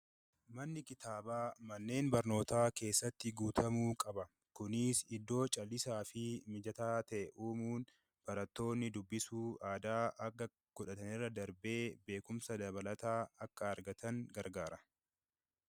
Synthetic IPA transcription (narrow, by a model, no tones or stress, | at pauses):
mɐnːɪkɪt̪aːbaːmɐnːe̞ːnbɐɾno̞ːt̪aːke̞ːsːɐt̪ːɪɡuːt̪ɐmuːkʼɐbɐ | kʊnɪsɪd̪ːo̞ːt͡ʃʼɐlɪsaːfɪmɪd͡ʒɐt̪aːt̪ɛʔɛʔuːmuːn | b̥ɐɾɐt̪ːo̞ːnːɪd̪ʊbːɪsuːaːd̪aːʔɐkːɐ | ɡ̥ʊᶑɐt̪ɐnɪrːɐd̪ɐɾbe̞ːbe̞ːkʊmsɐd̪ɐbɐlɐt̪aːɐkːɐːɾɡɐt̪ɐŋɡɐɾɡaːɾɐ